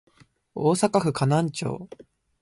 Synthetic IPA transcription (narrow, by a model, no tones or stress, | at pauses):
oːsakaɸɯ̟kanãɲ̟t͡ɕo̰ː